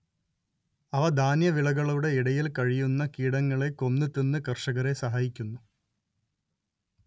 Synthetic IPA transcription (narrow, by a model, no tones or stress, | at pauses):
ɐʋɐd̪ʱaːnjɐʋiɭɐɣɐɭuɽe̞iɽɐjilkɐɻijunːɐkiːɽɐŋːɐɭe̞ko̞nːɨt̪enːɨkɐrʂɐɣɐɾe̞sɐɦaːjikʲːunːu